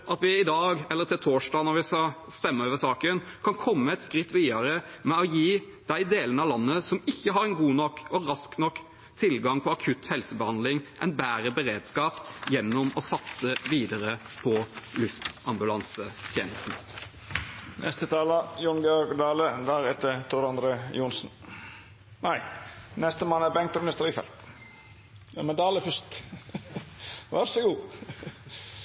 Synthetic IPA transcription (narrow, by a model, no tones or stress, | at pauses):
ʔɑt̪ʋɪɪd̪ɑːɡɛlːəɾt̪ɪlt̪ʰoːʂɖɑːnɔɾʋɪskɑst̪ɛmːəøːʋəɾsɑːkənkʰɑnkʰɔmːəɛt̪skɾɪt̪ːʋiːɑɾə | mɛɔjiː | d̪̥æɪd̪eːlənəɑʋlɑnːəsɔmɪçːəɦɑɾɛnɡuːnɔkːɔɾɑsknɔkː | t̪ʰɪlɡɑŋpʰɔɑkʰʉt̪hɛlsəbəhɑnd̪lɪŋʔɛɪnbæːɾəbəɾeːd̪skɑːpjɛnːɔmɔsɑt̪səʋiːd̪əɾə | pʰɔlʉft̪ɑmbʉlɑnsət̪ʰjeːnəst̪n̩ | nʔɛ̰st̪ət̪ʰɑːləjʊnɡəɔɡd̪ɑːləd̪æɾɛt̪ət̪ʰʊɾɑnd̪ɾəjuːnsn̩ | næɪnɛst̪əmɑnːəæbɛŋk̚t̪ɑmnɪst̪əɾifɛ̰lt̪ | ɛmɛd̪ɑːləfœst̪ | ʋæɾsɔɡuː